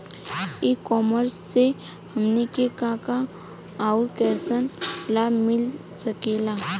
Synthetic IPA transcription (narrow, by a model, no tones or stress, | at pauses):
ikɔːməɾsːe | həmnikekãkaː | ʊɾkɛːsənlaːbmɪl | səkeːlaː